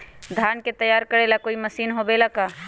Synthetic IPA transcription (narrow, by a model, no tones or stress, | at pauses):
d̪ʱaːnket̪əjaːɾkəɽelakoːiməsiːnɦobelakaː